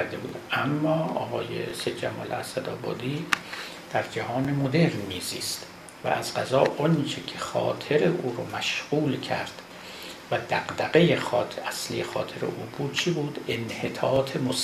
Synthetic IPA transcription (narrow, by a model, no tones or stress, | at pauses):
ɾd̪ebṵːd̪ʔæmːɒːɒ̰ːɣɒːjḛsed̪d͡ʒæmɒ̰ːleæ̰sæd̪ɒːbɒ̰ːd̪iː | d̪̥æɾd͡ʒæhɒːnemod̪e̞ɾnmiːziːst̪ | væ̰ʔæzɢæzɒːʔont͡ʃʰecʰeχɒ̰ːt̪ʰeɾeʔuːɾomæʃɢuːlcʰæ̰ɾd̪̥ | væd̪æɢd̪æɣejexɒːt̪æslḭjexɒːt̪ʰeɾḛʔuːbuːd̪̥̚t͡ʃʰibuːd̪enhe̞t̪ʰɒːt̪ʰemos